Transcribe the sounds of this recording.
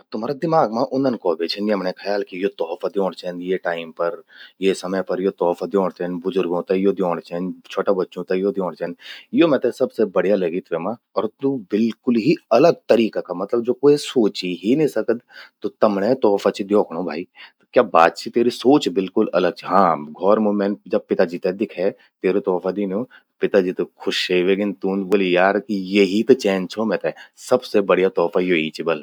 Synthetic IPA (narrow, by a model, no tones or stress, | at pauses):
t̪ʊm̤ɦaːɾad̪ɪmaːɡmãʔʊnənkɔːbet͡ʃʰəniɐmnẽkʰɐjaːlkijot̪ɔːfʰad̪jõːɽt͡ʃʰɛːnjeʈaːɪmpɐɾjesɐməjpɐɾjot̪ɔːfʰad̪jõːɽt͡ʃɛnbʊzʊɾɡõt̪ajod̪joːɽt͡ʃɛnt͡ʃʰoːʈabɐtːʃõt̪ajod̪jõːɽ̃t͡ʃɛːnjomɛ̃ːt̪esɐbsebɐɽ̤ijalɐɡit̪ʰʋemã | ɔːɾt̪ubɪlkʊlɦiɐləɡ̚t̪ɐɾiːkakamɐt̪ləbd͡ʒoːkoːisoːt͡ʃiɦinĩsɐkəd̪t̪ot̪ɐmnẽt̪ɔːfʰat͡ʃʰid̪jɔːkʰɽ̃õbʱa̰ːit̪okjaːba̰ːt̪̚t͡ʃʰit̪eːɾisoːt͡ʃbɪlkʊlɐləɡ̚t͡ʃʰiɦãːɡʱɔːɾmoːmẽnd͡ʒɐb̚pɪt̪ad͡ʒit̪ɛd̪ɪkʰɛ | t̪eːɾot̪ɔːfʰad̪ino | pɪt̪ad͡ʒit̪okʰʊʃɦeʋeːɡɪnt̪uːnboːlijaːɾkijeɦit̪ot͡ʃɛ̃ːnt͡ʃʰomɛ̃t̪ɛsɐbsebɐɽjat̪ɔːfʰajoːit͡ʃibɐl